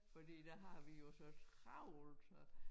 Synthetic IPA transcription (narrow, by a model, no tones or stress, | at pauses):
fɒd̥ḭːd̥æɦɑ̈ʋijo̝sɒ̽sʁɑʊ̰lsɒ